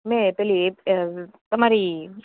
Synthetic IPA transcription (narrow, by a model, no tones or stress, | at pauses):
mɛ̃pɛli | t̪ɐmaːɾi